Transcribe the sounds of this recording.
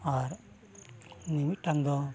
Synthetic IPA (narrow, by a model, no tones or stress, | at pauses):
aɾ | nimit̪̚ˀʈaŋd̪ɔ